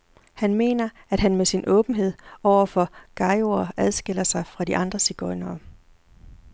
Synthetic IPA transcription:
hænme̝̰ːnɐ | æd̥ɦænmesinʔɔ̰̽ːb̥n̩ɦe̝ð̰ˠɒʊ̰ɐfɒ̽ɡ̥ɑ̈ɪoɐæðˠsɡ̥el̰ɐsɑ̈ɪfʁɑ̈diʔɑ̈nd̥ʁɐsiɡ̥ɒɪnɐː

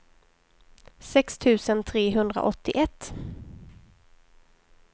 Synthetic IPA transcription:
sɛkst̪ʰʉ̟ːsənt̪ʰɾeːɦɵnd̪ɾa̰ʔɔt̪ːɪʔɛt̪ː

